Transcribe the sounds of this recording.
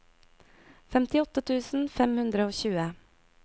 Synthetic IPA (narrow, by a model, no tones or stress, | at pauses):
fɛmt̪ɪɔt̪ət̪ʰʉːsn̩fɛmhʉnd̪ɾəoːçʉːə